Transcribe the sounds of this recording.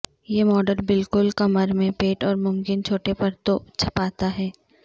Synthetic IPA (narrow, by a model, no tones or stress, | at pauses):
jeːmɔːɖəɾbɪlkʊlkɐməɾmẽpeːʈɔːɾmʊmkɪnt͡ʃʰoːʈepɐɾt̪ot͡ʃʰɐ̥paːt̪aɦɛː